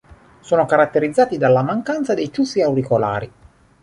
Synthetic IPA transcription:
soːnokaɾat̪ːeɾid̪zːaːt̪id̪alːamaŋkant̪sad̪ejt̪usːiawɾikola̰ːɾi

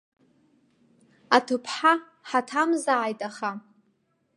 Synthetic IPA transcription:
atʰɨpʰħa | ħatʰamzaʕajtʼaχa

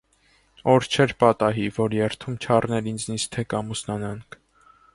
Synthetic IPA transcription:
ɔɾt͡ʃʰɛɾpɑt̪ɑɦivɔɾjɛɾt̪ʰumt͡ʃʰɑrnɛɾind͡znist̪ʰɛkɑmusnɑnɑŋkʰ

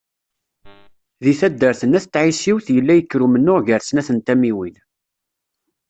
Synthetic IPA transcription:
ðiθæd̪ːəɾθənæθt̪ːʕisiwθjəlːæjəkːɾumənːʊʁʝəɾsnæθənt̪æmiwin

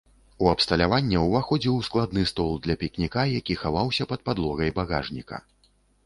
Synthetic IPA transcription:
uɐpst̪ɐlʲavanʲːɛwvaxɔd͡zʲiwsklˠad̪nɨst̪ɔlˠd̪lʲɐpʲiknʲikajakʲixavawsʲɐpɐt̪̚pad̪lˠɔɣɐjbaɣa̰ʐnʲikɐ̰

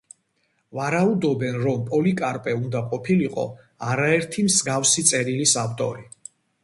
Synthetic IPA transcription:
vaɾaud̪ɔbɛnɾɔmpʼɔlikʼaɾpʼɛund̪aqʼɔpʰiliqʼɔ̰ | aɾaɛɾt̪ʰimzɡafsit̪sʼɛɾilisaft̪ʼɔ̰ɾi

